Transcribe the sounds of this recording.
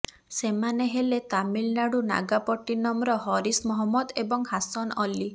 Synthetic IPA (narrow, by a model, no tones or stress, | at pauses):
semaneɦelet̪amilnaɽuna̰ɡapɔʈːinɔmɾɔɦɔɾismɔɦɔmːɔd̪ebɔŋhasɔnɔli